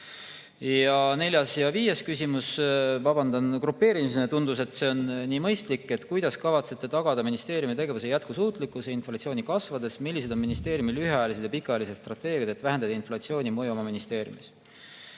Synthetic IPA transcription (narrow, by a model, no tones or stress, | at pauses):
jɑne̞lʲjɑsjɑviːjeskys̬ʲimusvɑbɑnd̪ɑnkrupːe̞ːɾimisenet̪und̪us̬e̞t̪ːˑse̞o̞nːiːmɤjst̪likːˑe̞t̪ˑkujd̪̥ɑskɑvɑt̪se̞t̪ːe̞t̪ɑɡ̥ɑd̪ɑminist̪e̞ːɾjumit̪e̞ɡe̞vuse̞jæt̪kusuːt̪ˑlikːˑuse̞inflɑt̪sio̞ːnʲikɑsvɑd̪e̞smilːis̬e̞d̪o̞nminist̪e̞ːɾjumilyheɑjɑlis̬e̥jɑpikːˑɑjɑlis̬et̪st̪rɑt̪ːˑe̞ːɡ̥ʲjɑd̪e̞t̪væɦend̪ɑd̪ɑinflɑt̪sio̞ːnʲimɤjuomɑminist̪e̞ːɾjṵmis